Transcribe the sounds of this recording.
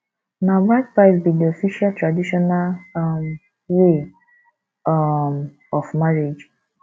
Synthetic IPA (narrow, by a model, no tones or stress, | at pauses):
nawat̚paɪsbidiɔfiʃialtɾadiʃɔnalm | we | m | ɔfmaɾed͡ʒ